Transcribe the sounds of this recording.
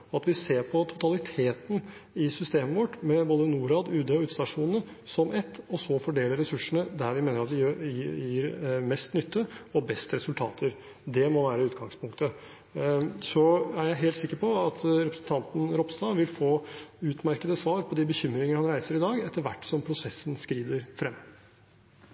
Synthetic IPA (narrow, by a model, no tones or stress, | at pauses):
ɔɑt̪ʋɪseːɾpʰɔt̪ʰʊ̥t̪ʰɑlɪt̪ʰeːt̪n | ɪsʏst̪eːməʋɔʈmɛboːd̪ənuːɾɑːd̪ʉːd̪eɔʉːt̪st̪ɑʂuːnn̩əsɔmʔɛt̪ːɔsɔfɔɖeːləɾɛsʉʂəɳəd̪æɾʋɪmeːnəɾɑt̪̚d̪ɪjiːɾmɛst̪nʏt̪ʰːəɔbɛst̪əɾɛsʉlt̪ʰɑ̰ːt̪ʰəɾ | d̪ɛmɔʋæːɾəʉːt̪ɡɑŋspʰʊŋkt̪ə | sɔæɾjæɪɦeːlt̪sɪkːəɾpɔɑt̪ʰɾɛpɾəsən̩t̪ʰɑnt̪n̩ɾɔpst̪ɑːʋɪlfoːʉːt̪mæɾkəd̪əsʋɑːɾpʰɔd̪ɪbəçʏmːɾɪŋənəhɑnɾæɪsəɾɪd̪ɑːɡɛt̪ːəɾʋæ̰ʈːsɔmpʰɾʊsɛsːənskɾiːd̪əɾfɾɛmː